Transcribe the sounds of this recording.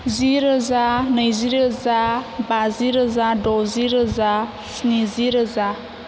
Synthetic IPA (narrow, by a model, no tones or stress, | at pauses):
ziɾəzanɯjziɾəzabaziɾəzadɔziɾəza | sniziɾəza